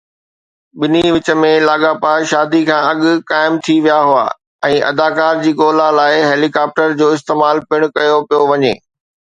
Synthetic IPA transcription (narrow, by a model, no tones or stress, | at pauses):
ɓɪniʋɪt͡ɕə̆mẽlaːɠaːpaːʃaːd̪ikʰãːɐɠʊkaːɪmt̪ʰiʋijaɦʊa̰ː | ɛ̃ːʔɐ̰d̪aːkaːɾd͡ʑiːɠoːlalaːɪɦeːlikaːp̚ʈəɾd͡ʑoːɪst̪eːmaːlpɪɽ̃ʊkɐjopijoʋɐɲḛː